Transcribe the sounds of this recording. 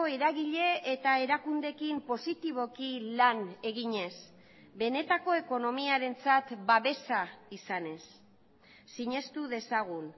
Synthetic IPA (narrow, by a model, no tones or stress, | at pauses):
oeɾaɣiʎe̞ːt̪ae̞ɾakund̪e̞kimpo̞sit̪iβ̞o̞kilane̞ɣiɲe̞s | be̞ne̞t̪ako̞e̞ko̞no̞miaɾe̞nt͡sat̪baβe̞saisane̞sː | iɲe̞st̪uðe̞saɣ̞un